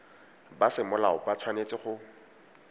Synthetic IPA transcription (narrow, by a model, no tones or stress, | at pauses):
basɪmʊlaʊpʼat͡sʰwanet͡sʼɪχʊ